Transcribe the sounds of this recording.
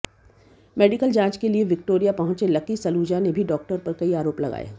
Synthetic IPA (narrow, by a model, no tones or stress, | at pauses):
mɛːɖɪkəld͡ʒãːt͡ʃkelieʋɪk̚ʈoːɾijapɐɦʊ̃t͡ʃelɐkisɐluːd͡ʒanebʱiɖɔːk̚ʈəɾpɐɾkɐiaːɾoːplɐɡa̰ːja̰ː